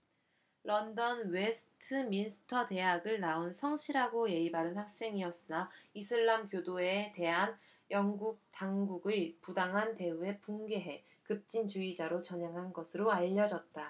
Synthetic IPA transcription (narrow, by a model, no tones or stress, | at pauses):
lʔʌndʌnwesʰɯ̥tʰɯminsʰɯ̥tʰʌte̞ɦaɡɯɭnaonsʰʌŋɕʰiɾɦaɡoje̞ibaɾɯnɸak̚s͈e̞ŋiʌs͈ɯnaisʰɯɭːamkjodoe̞te̞ɦan | jʌŋɡuk̚taŋɡuɡɯpudaŋɦante̞ue̞puŋɡe̞ɦe̞ | kɯp̚t͡ɕ͈int͡ɕuid͡ʑaɾot͡ɕʌɲaŋɦanɡʌsʰɯɾoaʎːʌd͡ʑʌt̚t͈a